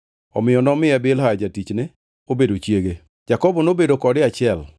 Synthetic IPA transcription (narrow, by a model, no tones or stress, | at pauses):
ɔ̰mɪjɔnɔmɪabɪlhad͡ʒatit͡ʃnɪ | obedot͡ʃjeɡe | d͡ʒakɔbɔnobedokɔdɪat͡ʃɪɛl